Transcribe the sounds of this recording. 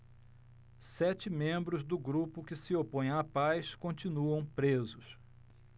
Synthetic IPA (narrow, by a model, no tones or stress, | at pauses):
sɛt͡ʃɪmẽmbɾʊzd̪ʊɡɾupʊkɪsɪopõj̃apajskõt͡ʃinuɐ̃w̃pɾezʊs